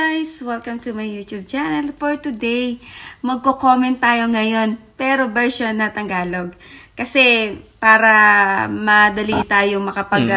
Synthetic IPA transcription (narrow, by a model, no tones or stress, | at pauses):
ajswɛlkɐmt̪umɐjjuːt̪jub̚t͡ʃɛnɐlfoɹt̪ʊd̪ɛjmɐɡ̚kokoːmɛnt̪ːaːjo̞ŋɐjo̞npɛːɾo̞bɛɹʃonːɐt̪ɐŋɡaːloɡ̚kɐsɛpaːɾɐmɐd̪ɐliɪt̪aːjoŋmɐkɐpɐɡ